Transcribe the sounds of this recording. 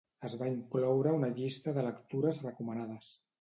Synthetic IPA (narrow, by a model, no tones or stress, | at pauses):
əzβaiŋklɔwɾəunəʎist̪əðələkt̪uɾəzrəkumənaðəs